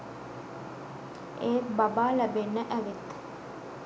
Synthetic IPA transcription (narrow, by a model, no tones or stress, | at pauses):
eːbabaːlæbenːəʔæʋet̪